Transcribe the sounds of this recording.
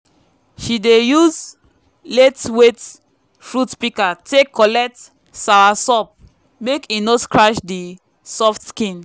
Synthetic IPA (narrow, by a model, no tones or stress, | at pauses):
ʃidejuz | letwet | fɹutpikatekʰːɔlɛk̚t | sawasɔp̚ | mekinoskɹaʃdi | sɔftskĩn